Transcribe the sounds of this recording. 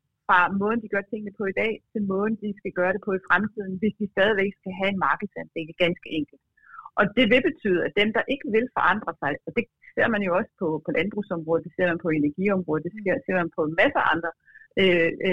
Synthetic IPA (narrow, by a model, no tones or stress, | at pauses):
fʁɑ̈mɔ̽ːðˠn̩d̥iɡ̥ɶɐt͡sʰe̝ŋ̰nəpʰɒ̽id̥ɛ̰ːt͡sʰe̝lmɔ̽ːðˠn̩d̥isɡ̥æɡ̥ɶːɐɾ̥e̝pʰɒ̽ifʁamt͡sʰið̞̰ˠn̩ʋe̝sd̥isd̥ɛːð̞ˠiʋeɡ̥sɡ̥æɦæe̝nmɑ̈ːɡ̥ð̩ˠsænd̥e̝ləɡ̥ænsɡ̥əʔeŋ̰ɡ̥l̩d̥ | ʔɒ̽d̥e̝ʋe̝b̥e̝t͡sʰy̰ːð̞ˠæd̥emd̥ɑ̈ʔe̝ɡ̥əʋe̝lfɒ̽ʔɑ̈n̰d̥ʁɐsɑ̈ɪɒ̽d̥e̝ | se̝ɐ̰mænjo̝ɒ̽sə̥pʰɒ̽pʰɒ̽lʔænb̥ʁusɒ̽mʁɔ̽ðˠd̥ese̝ɐ̰mænpʰɒ̽e̝næɐɡ̥iɒ̽mʁɔð̩ˠd̥eseɐ̰se̝ɐ̰mænpʰɒ̽mæsəɑ̈nd̥ʁɐ